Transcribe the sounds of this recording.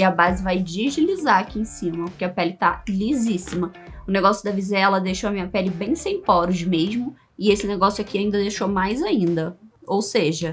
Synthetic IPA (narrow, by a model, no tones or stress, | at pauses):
ɪɐbazɪvajd͡ʒiʒilizaɾakiẽsĩmɐpoɾkʲeɐpɛlɪt̪alizisimɐ | ʊneɡɔsjʊd̪ɐvizɛɛlɐd̪eʃoɐmĩɲɐpɛlɪbẽj̃sẽj̃pɔɾʊʒmeʒmʊ | ɪesɪneɡɔsjʊakiaĩnd̪ɐd̪eʃomajzaĩnd̪ɐowseʒɐ